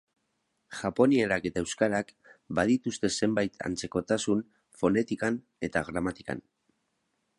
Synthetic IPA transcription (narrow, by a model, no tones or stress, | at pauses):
ʝapo̞nie̞ɾake̞t̪ae̞wskaɾak | baðit̪ust̪e̞se̞mbajt̪ʰa̰nt͡se̞ko̞t̪asun | fo̞ne̞t̪ikan | e̞t̪aɣɾamat̪ika̰n